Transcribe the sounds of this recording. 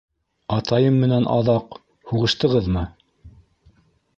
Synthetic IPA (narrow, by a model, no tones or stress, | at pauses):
ɑt̪ʰɑjɤmːɘ̆nænʔɑ̰ðɑq | huʁɤ̆ʃt̪ɤ̆ʁɤðmɤ